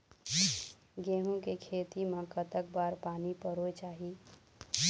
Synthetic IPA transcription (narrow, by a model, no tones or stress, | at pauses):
ɡeɦũkekʰet̪imẽkət̪ək̚baɾpanipəɾojt͡ʃaɦi